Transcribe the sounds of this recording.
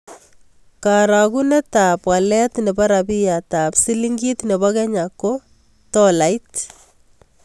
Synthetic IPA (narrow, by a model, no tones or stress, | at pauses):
kaɾakunɛtapwalɛtnɛbaɾabijatapsiliŋɡitnebɔkɛɲakːo | tɔlajt